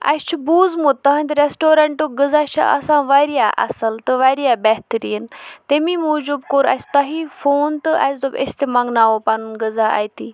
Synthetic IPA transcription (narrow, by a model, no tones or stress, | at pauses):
ɐ̰t͡ʃʰbuːzmut̪ːɐɦɐnʲt̪ɾesʈoːɾɐɳʈoɡəzaʃa̰ʔɐ̰sãʋaɾijaʔɐ̰sɐlt̪ɨʋaɾijabɛɦt̪ɾiːnt̪emimud͡ʒubkoɾa̰st̪aɦifoːnt̪ɨʔa̰sd̪obḛst̪emɐŋɡnaːʋopanunɡəzaa̰jt̪iː